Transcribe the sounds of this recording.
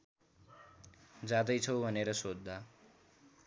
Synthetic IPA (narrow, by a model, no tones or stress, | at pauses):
d͡zad̪ʌjt͡sʰʌwbʱʌneɾʌsod̪ʱːa